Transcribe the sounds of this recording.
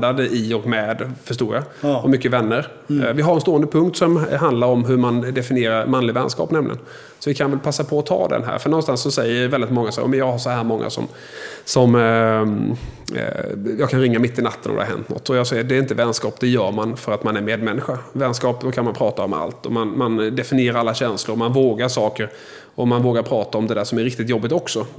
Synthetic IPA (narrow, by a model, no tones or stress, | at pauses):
d̪ad̪əʔɪɔkmɛd̪fœʂtuːɾjaɔmʏkːəvɛnːəɾ | vɪɦaɾɛnst̪oːənd̪əpʰɵŋkt̪sɔmɦand̪laɾɔmɦɵɾmand̪ɛfɪnɪeːɾaɾmanlɪvɛ̰nskɑ̰ːpnɛmlɪ̰ɡə̰n | sɔvɪkʰanvɛlpʰasːapʰɔːt̪ʰɑ̰ːd̪ɛ̰nɦæ̰ːɾfœɳɔnst̪ansːɔsɛjːəɾvɛldɪt̪mɔŋːasɔæːj̰mɛnjɑːɡhaɾʂɔhæːɾmɔŋːa̰sɔ̰m | sɔm | jɑːkʰanɾɪŋːamɪt̪ːɪnat̪ːənɔ̰d̪ɛ̰haɾɦɛ̰nt̪nɔ̰t̪ʰːɔjɑsɛjːəd̪ɛɾɪnt̪əvɛnskɑːpd̪ɛjœːɾmanfœɾat̪manæɾmeːd̪mɛnːɪɧavɛnskɑːpd̪ɔkʰanmanpʰɾɑːt̪aɔma̰lt̪ɔmanmand̪ɛfɪnɪeːɾaɾalːaɕɛnslʊɾmanvoːɡaɾʂɑːkəɾ | ɔmanvoːɡaɾpʰɾɑːt̪aɔmd̪ɛd̪æːʂɔmæɾɪkt̪ɪt̪jɔbːɪt̪ɔksɔ